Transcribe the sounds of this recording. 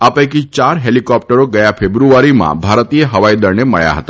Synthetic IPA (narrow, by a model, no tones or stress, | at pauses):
apə̃jkit͡ʃaɾɦelikɔp̚ʈəɾoɡəjapʰebɾuaɾimã̰bʱaɾt̪ieɦəʋajd̪əɾneməɭja̰ɦə̰t̪a